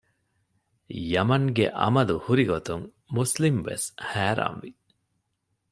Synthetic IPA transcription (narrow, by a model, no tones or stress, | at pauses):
jɐmɐŋɡḛʔɐ̰mɐluhuɾiɡot̪uŋ | muslimʋḛshæːɾa̰ːnʋi